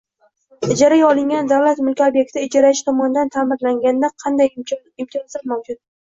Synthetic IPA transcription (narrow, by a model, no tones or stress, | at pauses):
ɪd͡ʒaɾajɒlɪŋɡʲand̪awlat̪mʊlkʲobjek̚ʲt̪ʰɪɪd͡ʒaɾaɪʃɪ̥t̪ʰɒmɒnɪd̪ant̪ʰamɪɾlaŋɡʲand̪aqʰɑnd̪aj | ɪmt̪ʰijɒnzlaɾmawd͡ʒʊt̪̚